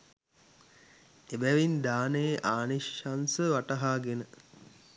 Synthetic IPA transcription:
ebæʋind̪aːnejʔaːniʃansəʋaʈəɦaːɡenə

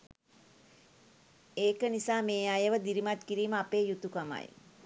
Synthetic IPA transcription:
eːkənisaːmeːajəʋəd̪iɾimat̪kiɾiːməapeːjut̪ukama̰j

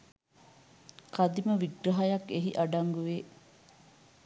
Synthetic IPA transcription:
kɐd̪imɐʋiɡɾɐɦɐjɐkeɦiʔɐɖɐŋɡuʋeː

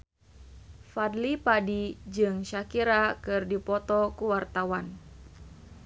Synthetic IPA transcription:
fad̪lipadid͡ʒɨŋʃakiɾakɨrdipɔt̪ɔkuwart̪awan

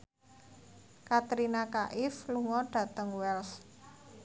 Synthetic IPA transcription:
kat̪ɾinakaʔɪfluŋɔɖ̥ä̤t̪əŋwɛls

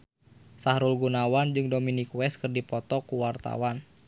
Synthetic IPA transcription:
sahɾulɡunawand͡ʒɨŋdominikwɛskɨrdipɔt̪ɔkuwart̪a̰wan

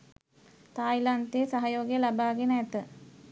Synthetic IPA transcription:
t̪aːjlant̪esaɦajoːɡijəlabaːɡenəæt̪ə

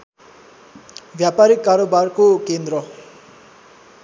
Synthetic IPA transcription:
bʱjapaɾikːaɾobarkokend̪rʌ

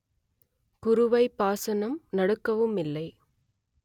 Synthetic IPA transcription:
kʊɾɯʋɐɪpːaːsɐnɐmnɐɽɯkːɐʋɯmɪlːɐɪ

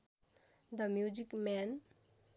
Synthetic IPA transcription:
d̪ʌmjud͡ʒikmɛn

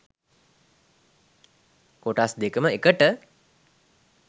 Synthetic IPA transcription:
koʈasd̪ekəməekəʈə

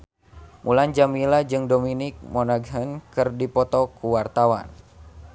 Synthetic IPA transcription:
mʔuland͡ʒamilad͡ʒɨŋdominɪk̚mɔnaɡɦənkɨrdipɔt̪ɔkuwart̪awa̰n

